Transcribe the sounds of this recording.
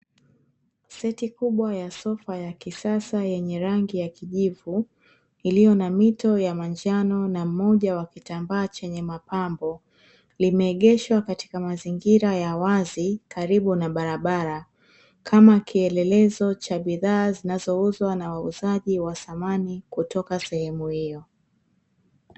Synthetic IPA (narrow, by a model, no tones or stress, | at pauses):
sɛtikuɓwajasɔfajakisasajɛɲɛɾaŋɡijakiʄivu | ilijɔnamitɔjamand͡ʒanɔnam̩mɔʄawakitambaːt͡ʃɛɲɛmapambɔ | limɛːɠɛʃwakati̥kamaziŋɡiɾajawazikaɾiɓunaɓaɾaɓaɾa | kʰamakiɛlɛlɛzɔt͡ʃaɓiðaːzinazɔuzwanawauzaʄiwaθamanikutɔkasɛhɛmuhijɔ